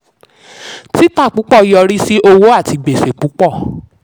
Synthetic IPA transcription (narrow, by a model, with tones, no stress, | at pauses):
ti˦ta˦˨k͡pu˨˦k͡pɔ˦˨jɔ˧˨ɾi˦si˦ʔo˧wo˦a˦˨ti˧ɡ͡be˨se˨k͡pu˨˦k͡pɔ˦˨